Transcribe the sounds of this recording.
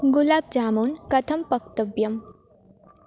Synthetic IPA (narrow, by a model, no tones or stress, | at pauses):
ɡulaːb̚d͡ʒaːmuːnkɐt̪ʰɐmpɐkt̪ɐbjɐm